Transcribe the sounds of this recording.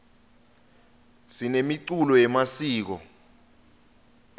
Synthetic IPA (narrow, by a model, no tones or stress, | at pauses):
sinemiǀulɔjɛmasiːk̬ɔ̰